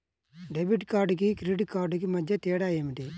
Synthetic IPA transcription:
ɖebiʈkaːɾɖkikɾiɖkaːɾɖkimɐd͡ʒːɐt̪eːɽaːjeːmiʈ̪i

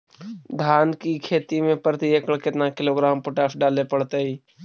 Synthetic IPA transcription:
d̪ʱaːnkikʰeːt̪imẽpəɾt̪iekəɽkɪt̪nakɪloɡɾaːmpoʈaːsɖaːlepəɽt̪eɦiː

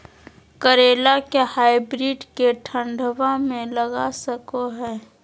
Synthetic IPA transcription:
kəɾeːlakehaːɪbɾiːɖkeʈʰə̃ɳɖʱʋamẽlɐɡasəkoɦɛː

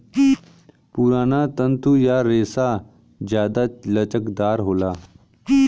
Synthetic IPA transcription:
puɾaːnat̪ə̃nt̪ʰujaɾeːsa | d͡ʒjaːd̪alət͡ʃəkd̪aːɾɦoːlaː

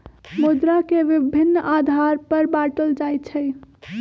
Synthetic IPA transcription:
mud̪ɾakeʋibʱinːʔad̪ʱaɾpəɾbaʈəld͡ʒajt͡ʃʰəj

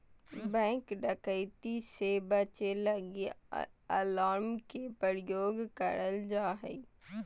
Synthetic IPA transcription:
bɛ̃ːŋkɖəkəɪt̪isebət͡ʃeləɡiə̰laːɾmkepəɾjoːɡkəɾəld͡ʒaːɦɛ

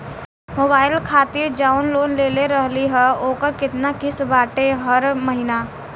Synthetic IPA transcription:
moːbaːɪlkʰaːt̪ɪɾd͡ʒaːʊnloːnleːleɾəɦliɦɛoːkəɾkɪt̪nakɪst̪baːʈeɦɐɾməɦɪnaː

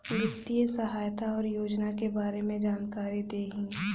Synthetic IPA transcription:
jɪt̪ːijəsəɦaːjt̪aɔːɾjoːd͡ʒnakebaːɾemẽd͡ʒaːnkaːɾid̪eːɦĩː

